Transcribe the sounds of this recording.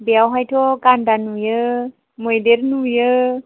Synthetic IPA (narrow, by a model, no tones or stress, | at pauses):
beawɦajtʰokandanujə | mojdeɾnujə